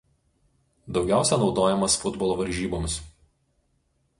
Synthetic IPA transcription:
d̪ɒʊɡʲæˑʊsʲɛnɒʊd̪oːjɛmɐsfʊd̪bɔlˠoːʋɐɾʲʒʲiːboːmʲs

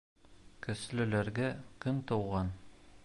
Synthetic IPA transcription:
kɵ̆slɘ̆læɾɡækɵnt̪ɤ̆wʁɑn

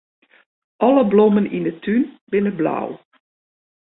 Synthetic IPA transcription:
ʔɔləblomənindətʰynbɪnəbla̰w

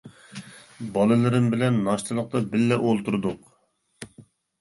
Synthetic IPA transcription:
bɑlˠɨlɨɾɪmbɪlɛnːɑʃt̪ʰɨlˠəq̚t̪ɑbɪlːɛʔolˠt̪uɾd̪ʊq

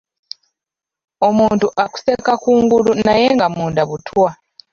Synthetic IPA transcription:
o̞muːntuʔaku̥se̞kakuːŋɡulunaje̞ŋɡamuːndaβutʰwa

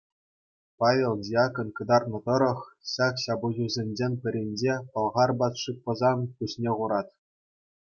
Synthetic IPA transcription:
pɑʋʲelˠdʲijɑkŏnkɤ̆d̪ɑrnɤ̆t̪ɤ̆ɾɤ̆χɕɑkɕɑbuʑuzʲenʲd͡ʑenʲpʲɘ̆ɾʲenʲd͡ʑepɤ̆lˠʁɑrbɑt̪ʂɯk̚pɤ̆zɑnpuɕnʲeʁuɾɑt̪ʲ

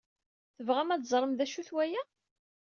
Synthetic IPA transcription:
θəvʁæmæt͡szˤɾˤəmðæʃuθwæjæ

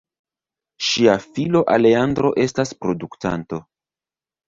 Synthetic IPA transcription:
ʃiafilo̞ʔale̞andɾo̞ʔe̞staspɾo̞dukta̰nto̞

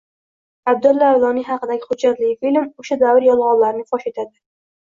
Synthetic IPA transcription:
ab̚d̪ʊlːavlˠɒnɪɦɑqɨd̪aɡʲɪχʊd̪d͡ʒat̪lɪfilʲmoʃad̪avɪɾjɒlˠʁɒllaɾnɪfɒʃe̞t̪ʰad̪ɪ

